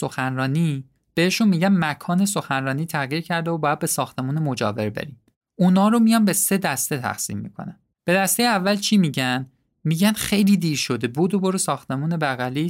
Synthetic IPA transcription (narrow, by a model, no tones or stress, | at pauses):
so̞xænɾɒːniː | b̥e̞heʃunmiːɟænmækʰɒːne̞s̬o̞xænrɒːniːt̪ʰæʁjiːɾcʰæɾd̪eobɒːjæd̪̚be̞sɒːxt̪ʰe̞muːnemod͡ʒɒ̰ːve̞ɾbe̞̰ɾiːm | unɒːɾomijɒːnbe̞se̞d̪æst̪e̞t̪ʰæ̰xsḭːmːḭːkʰo̰næm | b̥e̞d̪æst̪ejeævːælt͡ʃʰimiːɟæn | miːɟænxe̞jliːd̪iːɾʃo̞d̪ebuːd̪oboɾesɒːxt̪e̞muːne̞bæɣæli